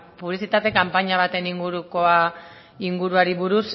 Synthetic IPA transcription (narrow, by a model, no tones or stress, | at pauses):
puβlisit̪at̪e̞kampaɲaβ̞at̪e̞niŋɡuɾukoa | iŋɡuɾuaɾiβuɾus